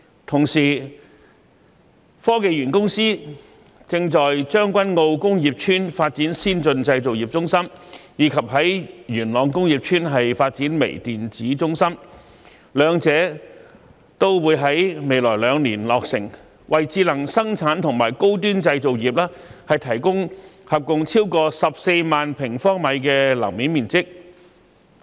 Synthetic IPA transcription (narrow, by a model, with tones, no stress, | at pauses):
t̪ʰʊ˨˩ŋsiː˨˩ | fɔː˥ke˨˧jɥyː˨˩nkʊ˥ŋsiː˥ | t͡sɪ˧ŋt͡sɔː˨jt͡ʃœː˥ŋkʷɐ˥nŋo˧wkʊ˥ŋjiː˨p̚t͡ʃʰyː˥nfaː˧t̚t͡siː˨˥nsiː˥nt͡sɵ˧nt͡sɐ˧jt͡so˨wjiː˨p̚t͡sʊ˥ŋsɐ˥mjiː˨˧kʰɐ˨p̚hɐ˨˥jjyː˨˩nlɔː˨˧ŋkʊ˥ŋjiː˨p̚t͡ʃʰyː˥nɦɐ˨jfaː˧t̚t͡siː˨˥nmḛ˨˩jt̪iː˨nt͡siː˨˥t͡sʊ˥ŋsɐ˥m | lœː˨˧ŋt͡sɛː˨˥ | t̪o˥wwuː˨˧jɦɐ˨˥jme˨˧jlɔː˨˩jlœː˨˧ŋliː˨˩nlɔː˨k̚sɪ̰˨˩ŋ | wɐ˨jt͡siː˧lɐ˨˩ŋsɐ˥ŋt͡sʰaː˨˥nt̪ʰʊ˨˩ŋmaː˨˩jko˥wt̪̬yː˥nt͡sɐ˧jt͡so˨˧wjiː˨p̚lɐː˥hɐ˨jt̪ʰɐ˨˩jkʊ˥ŋhɐ˨p̚kʊ˧ŋt͡sʰiː˥wkɔː˧sɐ˨p̚se˧jmaː˨npʰɪ˨˩ŋfɔː˥ŋmɐ˨˧jkɛː˧lɐ̰˨˩wmiː˨˥nmiː˨nt͡sɪ˥k̚